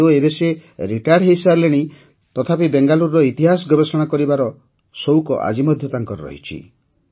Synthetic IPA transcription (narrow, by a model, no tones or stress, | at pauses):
oebeseɾiʈajɖɦejsaɾleɽ̃i | t̪ɔt̪ʰapibeŋɡaluɾːɔit̪iɦas̬ɔɡɔbesɔɽ̃akɔɾibaɾɔ | sowkɔ̰ʔa̰d͡ʒimɔd̪ʱjɔt̪aŋkɔɾɔɾɔ̰ɦḭt͡ʃʰḭ